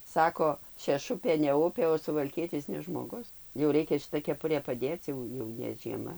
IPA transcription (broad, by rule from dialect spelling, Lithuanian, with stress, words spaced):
ˈsɑːkoː ʃʲɛˈʃʊpʲeː nʲɛ ˈʊpʲeː oː sʊʋɐlʲˈkʲiɛtʲɪs nʲɛ ˈʒmoːɡʊs jɛʊ ˈrʲɛɪkʲɛ ʃʲɪˈtɐ kʲɛˈpʊrʲeː pɐˈdʲeːt͡s ˈjɛʊ jɛʊ nʲɛ ʒʲiɛˈmɐ